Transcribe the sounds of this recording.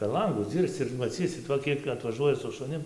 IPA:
pʲɛr ˈlˠɐŋɡʊs ˈd͡zʲiːrst͡s ɪr mɐˈt͡sʲiːsʲɪt ˈʋɐ ˈkʲiɛk ɐtʋɐˈʒuɔjɛ sʊ ʃʊˈnʲɪm

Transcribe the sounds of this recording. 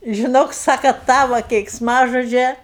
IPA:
ʒʲɪˈnoːk ˈsɑːkɐ ˈtɑːʋoː kʲɛɪksˈmɑːʒoːd͡ʒʲɛ

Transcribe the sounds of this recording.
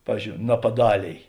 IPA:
ˈpɑːʋʲiːzʲd͡ʒʲoːʊ nɐpɐˈdɑːlʲeːj

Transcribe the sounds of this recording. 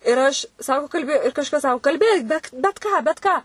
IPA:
ɪr ˈɐʃ ˈsɑːkoː kɐlʲˈbʲɪ ɪr kɐʃˈkɐs ˈsɑːkoː kɐlʲˈbʲeːk ˈbʲɛt bʲɛt ˈkɑː bʲɛt ˈkɑː

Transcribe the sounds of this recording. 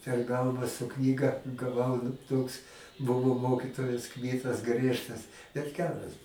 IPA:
pʲɛr ˈɡɐlˠʋɑː sʊ ˈknʲiːɡɐ ɡɐˈʋɐʊ nʊ ˈtoːks ˈbʊʋoː ˈmoːkʲɪtoːjɛs ˈkmʲiːtɐs ˈɡrʲiɛʃtɐs bʲɛt ˈɡʲæːrɐs

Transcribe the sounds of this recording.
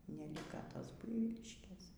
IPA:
nʲɛˈlʲɪkɐ ˈtoːs ˈbʊɪʋʲiːlʲɪʃʲkʲeːs

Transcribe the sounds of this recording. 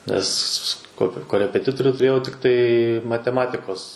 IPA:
ˈnʲɛs koː koːrʲɛpʲɛˈtʲɪtoːrʲʊ tʊˈrʲeːjɛʊ tʲɪkˈtɐɪ mɐtʲɛˈmɑːtʲɪkoːs

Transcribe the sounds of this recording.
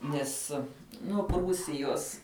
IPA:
ˈnʲɛs nʊ ˈpruːsʲɪjoːs

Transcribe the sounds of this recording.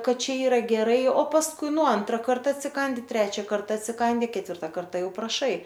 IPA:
ˈkɐt ˈt͡ʃʲɛ ˈiːrɐ ɡʲɛˈrɐɪ oː pɐsˈkʊɪ ˈnʊ ˈɐntrɐ ˈkɐrtɐ ɐtʲsʲɪˈkɐnʲdʲɪ ˈtʲrʲæːt͡ʃʲɛ ˈkɐrtɐ ɐtʲsʲɪˈkɐnʲdʲɪ kʲɛtʲˈʋʲɪrtɐ ˈkɐrtɐ ˈjɛʊ prɐˈʃɐɪ

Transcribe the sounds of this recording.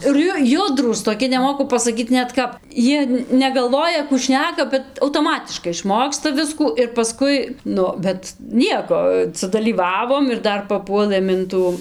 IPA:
ɪr ˈjʊ ˈjʊdruːs toːˈkʲɪ nʲɛˈmoːkʊ pɐsɐˈkʲiːt ˈnʲɛt ˈkɐp ˈjiɛ nʲɛɡɐlˠˈʋoːjɛ kuː ˈʃʲnʲæːkɐ bʲɛt ɐʊtoːˈmɑːtʲɪʃkɐɪ ɪʃˈmoːkstɐ ˈʋʲɪskuː ɪr pɐˈskʊɪ ˈnʊ bʲɛt ˈnʲiɛkoː sʊdɐlʲiːˈʋɑːʋoːm ɪr ˈdɐr pɐˈpuɔlˠɘm ɪn ˈtuː

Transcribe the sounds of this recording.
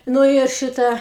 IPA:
ˈnʊ ɪr ˈʃʲɪtɑː

